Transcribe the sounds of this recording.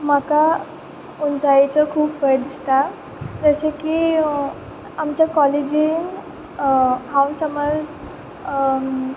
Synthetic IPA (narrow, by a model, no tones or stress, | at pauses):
maka | unsait͡səkʰuːpbəɾd̪ist̪a | d͡zəseki | amt͡ɕjakɔled͡ʑin | hãwsəməd͡z